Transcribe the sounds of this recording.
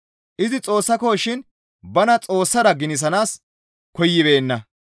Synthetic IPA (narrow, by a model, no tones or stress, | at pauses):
ʔɪzɪt͡sʼo̞ːsːɐkoːʃɪn | bɐnɐt͡sʼo̞ːsːɐɾɐɡɪnɪs̬ɐnaːs | kɔjːɪbe̞ːnːɐ